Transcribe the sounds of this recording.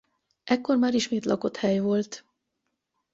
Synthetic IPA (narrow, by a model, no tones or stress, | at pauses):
ʔɛkːo̞rmaːɾiʃmeːt̪lɒko̞t̪hɛjvo̞lt̪